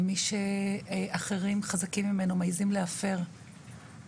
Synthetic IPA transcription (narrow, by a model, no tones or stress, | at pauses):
miʃeʔaχe̞ʁimχazakimːimenumaizimleafe̞ʁ